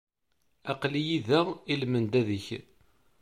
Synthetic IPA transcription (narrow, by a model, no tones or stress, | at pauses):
æqlijiðæilmənd̪æðəç